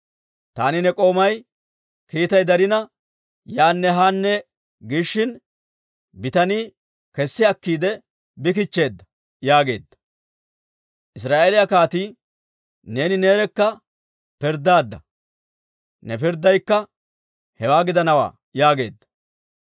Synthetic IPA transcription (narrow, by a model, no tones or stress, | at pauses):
t̪aːnɪnɛkʼo̞ːmɐj | kiːt̪ɐjd̪ɐɾɪnɐ | jaːnːɛɦaːnːɛ | ɡɪʃːɪn | bɪt̪ɐniː | kɛsːɪɐkːiːd̪ɛ | bɪk̬ɪt͡ʃːe̞ːd̪ːɐ̥ | jaːɡe̞̰ːd̪ːɐ̥ | ʔɪs̬ɾaːʔeːlɪjakaːt̪iː | ne̞ːnɪne̞ːɾɛkːɐ | pɪɾd̪ːaːd̪ːɐ̰ | nɛpɪɾd̪ːɐjkːɐ | hɛwaːɡɪd̪ɐnɐwa̰ː | jaːɡe̞ːd̪ːɐ̥